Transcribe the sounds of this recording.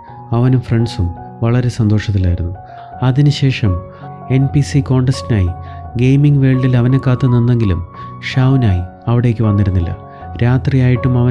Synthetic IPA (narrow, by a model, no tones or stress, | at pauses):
ɐʋɐnumfre̞ɳɖsum | ʋɐɭɐɾe̞sɐnd̪o̞ːʂɐt̪̬ːilːaːjiɾunːu | ɐðinɨɕe̞ːʂɐm | e̞npisiko̞ːɳɖɐstinaːjiɡejmiŋɡʋe̞ːɭɖilɐʋɐnekːaːt̪ːunːinːe̞ŋɡilṵmʂaːwnaːji | ɐʋiɽe̞ːkʲːɨʋɐnːiɾunːilːɐ̰ | ɾaːt̪rijaːjiʈːumɐʋɐ